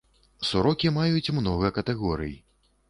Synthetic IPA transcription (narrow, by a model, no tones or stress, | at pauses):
suɾɔkʲimajut͡sʲmnɔɣɐkɐt̪ɛɣɔɾɨ̰j